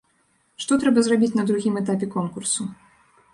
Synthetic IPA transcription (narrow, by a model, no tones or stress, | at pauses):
ʂt̪ɔt̪ɾɛbɐzrabʲit͡sʲnɐd̪ɾuɣʲimɛt̪apʲɛkɔnkursu